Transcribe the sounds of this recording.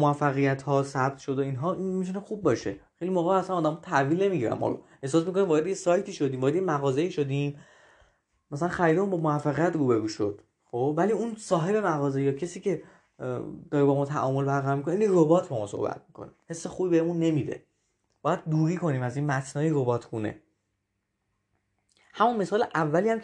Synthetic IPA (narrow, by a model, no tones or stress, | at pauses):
moæfːæɣijæt̪ʰhɒːsæbt̪ʃod̪oinɦɒːinmit̪ʰunexubːɒʃe̞̰xejlimoɣææsænɒːd̪æmɒːt̪ʰæviːlne̞miɟiɾæ̰mɒ̰ɾo̰ | e̞hsɒːs̬miko̞nimbɒːɾe̞d̪ejesɒːjt̪ʰiːʃo̞d̪iːmvɒːɾed̪ejemæɣɒːze̞iːʃod̪im | mæsælænxæɾiːd̪emunbɒmoæfːæɣijæt̪ruːbeɾuːʃod̪̥ | xoːb̥væliːunsɒːɦe̞be̞mæɣɒːzejɒːcʰesiːce̞ | d̪ɒːɾebɒmɒːt̪ʰæ̰ʔɒ̰ːmo̞lbæɾɣæɾɔːɾmikoneiːniɾobɒːt̪ʰbɛmɒ̰ːso̰hbæ̰t̪̚ʰmi̥kʰo̰nḭhe̞sːexuːbibehemunːe̞mid̪ḛ | b̥ɒːjæd̪̚d̪uːɾiːkʰo̞niːmæziːnmæt̪ʰnɒːiɾobɒːt̪ʰɡuːne̞̰ | hæmunme̞sɒːleʔævːæliːhæm